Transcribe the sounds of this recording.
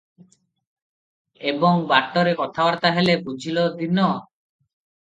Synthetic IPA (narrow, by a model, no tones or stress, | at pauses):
eboŋbaʈːoɾekɔt̪ʰawaɾt̪aɦelebud͡ʑʱilod̪inɔ